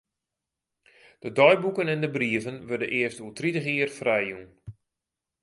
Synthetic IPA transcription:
d̥ədɔjbukənɛndəbriəvənʋødənʔɪəstulˠtritəχiːərfrɛjun

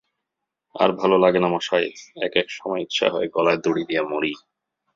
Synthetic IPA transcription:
a̰ɾbʱalolaɡenamaʃajeɛkɛkʃɔmɔeit̪ːɕʰa̰ɦɔeɡɔlaed̪oɽid̪iamoɾi

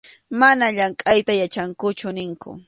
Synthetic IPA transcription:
manaʎaŋkʼajt̪ajat͡ʃaŋkʊt͡ʃʊnɪŋkʊ̰

